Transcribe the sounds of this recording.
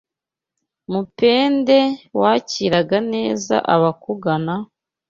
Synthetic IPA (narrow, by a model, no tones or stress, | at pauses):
mupe̞ːnde̞waciɾaɡane̞ːza̰ʔaβakuɡana